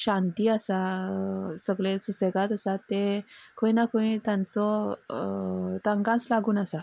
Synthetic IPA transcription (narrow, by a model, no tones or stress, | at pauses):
ɕãnt̪iːasa | səɡɭesuseɡat̪asat̪ekʰõinakʰoĩt̪jãnt͡sɔ | t̪aŋɡãnt͡slaɡuːnasa